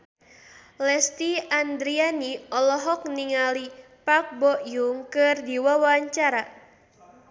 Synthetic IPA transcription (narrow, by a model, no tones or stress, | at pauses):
lɛst̪iand̪ɾianiɔlɔɦɔk̚niŋali | pak̚bɔʔjuŋkɨrdiwawaɲt͡ʃaɾa